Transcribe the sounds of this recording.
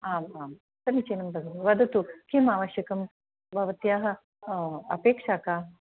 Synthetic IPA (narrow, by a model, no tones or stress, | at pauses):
aːmaːm | sɐmit͡ʃeːnɐmbʱɐd̪ʱɐmʋɐd̪ʱɐt̪ukʰimaːʋɐʃjɐkɐm | bʱɐʋɐt̪jaːɦɐ̆ | ɐ̰peːkʂaːkaː